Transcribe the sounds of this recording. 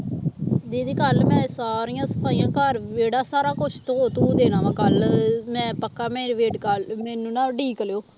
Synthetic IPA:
d͡ʒeːd̪iːkəlmɛ̃ːsaːɾijãːsə̥pʰaːijãːkəɾʋeːɽaːsaːɾaːkʊt͡ʃʰt̪õːt̪uːd̪eːnaːʋãːkəlmɛ̃ːpəkːaːmɛ̃ːɾʋeːɖkəlmɛːnũːnãːɖiːkəljoː

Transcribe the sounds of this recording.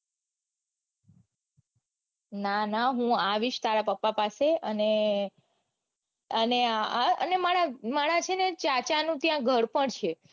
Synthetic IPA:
nanaɦũaʋiʃt̪aɾapəpːapaseəne | əneaaənemaɽamaɽ̃at͡ʃʰenet͡ʃat͡ʃanũt̪jãɡʱəɽpəɳt͡ʃʰe

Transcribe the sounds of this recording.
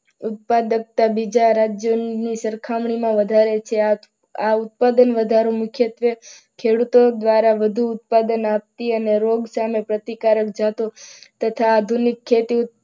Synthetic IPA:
ʊt̪̚pad̪ək̚t̪abid͡ʒaɾad͡ʒjonisəɾkʰamɳimãʋəd̪ʱaɾet͡ʃʰe | aut̪̚pad̪ənʋəd̪ʱaɾomʊkʰjət̪ʋe | kʰeɽut̪od̪ʋaɾaʋəd̪ʱuːt̪̚pad̪ənap̚t̪iəneɾoɡsamepɾət̪ikaɾək̚d͡ʒat̪ot̪ət̪ʰaːd̪ʱunikʰːet̪iʊ

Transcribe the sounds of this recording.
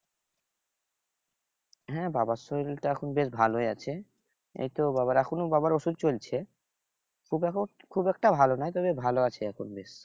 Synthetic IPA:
ɦɛ̃babasolʈaɛkʰonbeʃbʱaloeat͡ɕʰe | ḛjt̪obaβaɾɛkʰonobaβaɾoʃud̪̚t͡ɕolt͡ɕʰe | kʰubkʰubɛk̚ʈabʱalonajt̪ɔβebʱaloat͡ɕʰeɛkʰonbeʃ

